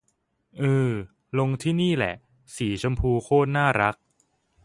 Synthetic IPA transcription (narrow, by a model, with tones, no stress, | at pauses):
ʔɯː˧˩ | lo˧ŋt̪ʰiː˥˩niː˥˩lɛ̰˨˩ʔ | siː˩˦t͡ɕʰa˧mpʰuː˧kʰoː˥˩t̪̚naː˥˩ɾa˦˥k̚